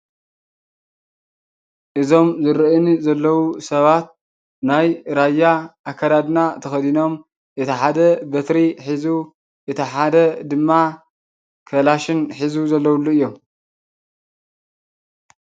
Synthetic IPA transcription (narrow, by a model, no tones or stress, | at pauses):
ʔɨzo̞mzɨɾɨʔɨnzɐlːɐwusɐβat̪̚ | najɾajːaʔːkʰːad̪ad̪nat̪ʰɐxɐd̪ino̞m | ʔɨt̪ʰiħad̪ɐbɐt̪ɾiħizu | ʔɨt̪ʰiħad̪ɐd̪ɨmːa | kʰɐlaʃɪnħizuzɐlːɐwulːuɨjːom